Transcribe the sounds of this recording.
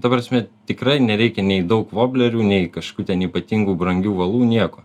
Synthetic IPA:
t̪ɐpɾɐsʲmʲɛt̪ʲɪkɾɐɪnʲɛɾʲɛɪkʲɛnʲɛɪd̪ɐʊkʋoːbʲlʲɛɾʲuːnʲɛɪkɐʃkʲuːt̪ʲɛniːpɐt̪ʲiŋɡuːbɾɐŋʲɡʲuːʋɐlˠuːnʲiɛkoː

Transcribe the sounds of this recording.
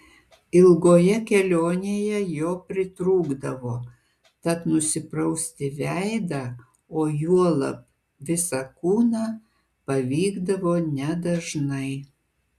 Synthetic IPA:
ɪlˠɡoːjɛkʲɛlʲoːnʲeːjɛjoːpʲɾʲɪt̪ɾuːɡd̪ɐʋoː | t̪ɐt̪nʊsʲɪpɾɐʊsʲt̪ʲɪʋʲæɪd̪ɑ | oːjuɔlˠɐ̰p̚ | ʋʲɪsɑkuːnɑː | pɐʋʲiːɡd̪ɐʋoːnʲɛd̪ɐʒnɐɪ

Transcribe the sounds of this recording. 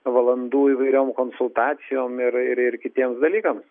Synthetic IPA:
ʋɐlˠɐnd̪uːiːʋɐɪɾʲoːmkoːnsʊlˠt̪ɑːt̪sʲɪjoːmɪɾɪɾɪrkʲɪt̪ʲiɛmsd̪ɐlʲiːkɐms

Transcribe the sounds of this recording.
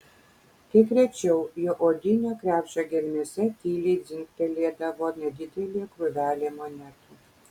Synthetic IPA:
k̪ʲɐkɾʲɛt͡ʃʲɛʊjoːʔoːd̪ʲɪnʲoːkɾʲæːpʲʃʲoɡʲɛlʲmʲesʲɛt̪ʲiːlʲɛɪd̪zʲɪŋkt̪ʲɛlʲeːd̪ɐʋoːnʲɛd̪ʲɪd̪ʲɛlʲeːkɾʊʋʲæːlʲemonʲæt̪uː

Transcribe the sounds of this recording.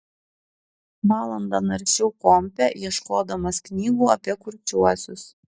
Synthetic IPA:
ʋɑːlˠɐnd̪ɐnɐɾʲʃʲɛʊkɔmʲpʲɛjiɛʃkoːd̪ɐmɐsknʲiːɡuːɐpʲiɛkʊɾʲt͡ʃʲuɔsʲʊs

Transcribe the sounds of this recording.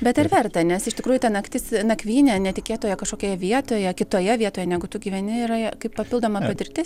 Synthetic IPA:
bʲɛt̪ɪɾʋʲɛrt̪ɐnʲɛsɪʃt̪ʲɪkɾuːjʊt̪ɐnɐkt̪ʲɪsnɐkʋʲiːnʲɛnʲɛt̪ʲɪkʲeːt̪oːjɛkɐʃkoːkʲoːjɛʋʲiɛt̪oːjɛkʲɪt̪oːjɛʋʲiɛt̪oːjɛnʲæːɡʊt̪ʊɡʲiːʋʲɛnʲɪiːɾɐkɐɪppɐpʲɪlˠd̪oːmɐpɐt̪ʲɪrʲt̪ʲɪs

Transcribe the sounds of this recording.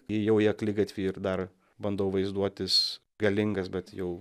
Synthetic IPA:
ɪjɛʊjiɛklʲɪɡɐt̪ʲʋʲiːɪrd̪ɐr | bɐnd̪oʊʋɐɪzd̪uɔt̪ʲɪs | ɡɐlʲɪŋɡɐsbʲɛt̪jɛʊ

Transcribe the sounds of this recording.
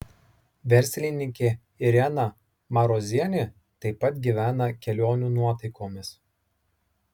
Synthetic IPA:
ʋʲɛɾʲˑsʲlʲɪnʲɪŋʲkʲeː | ɪɾʲɛnɐ | mɐɾoːzʲiɛnʲɪ | t̪ɐɪpːɐt̪ɡʲiʋʲæːnɐkʲɛlʲoːnʲuːnuɔt̪ɐɪkoːmʲɪs

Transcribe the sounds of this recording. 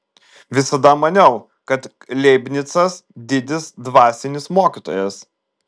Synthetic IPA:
ʋʲɪsɐd̪ɐmɐnʲɛʊ | kɐt̪ | lʲɛɪbʲnʲɪt̪sɐsd̪ʲɪd̪ʲɪsd̪ʋɑːsʲɪnʲɪsmoːkʲɪt̪o̰ːjɛs

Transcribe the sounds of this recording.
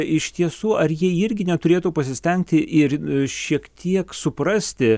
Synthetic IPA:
ɪʃt̪ʲiɛsuːɐrjiɛɪɾʲɡʲɪnʲɛt̪ʊɾʲeːt̪uːpɐsʲɪsʲt̪ʲɛŋʲk̚t̪ʲɪʔɪɾʃʲiɛkt̪ʲʰiɛksʊprɐsʲt̪ʲɪ

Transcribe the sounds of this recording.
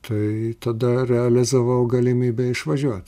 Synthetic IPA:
t̪ʰɐɪt̪ɐd̪ɐrʲɛɐlʲɪzɐʋɐʊɡɐlʲɪmʲiːbʲɛɪʃʋɐʒʲuɔt̪ʲ

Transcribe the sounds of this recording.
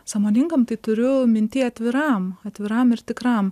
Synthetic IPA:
sɑːmoːnʲɪŋkɐmt̪ɐɪt̪ʊɾʲʊmʲɪnʲt̪ʲiːɐt̪ʲʋʲɪɾɐmɐt̪ʲʋʲɪɾɐmɪɾt̪ʲɪkɾɐm

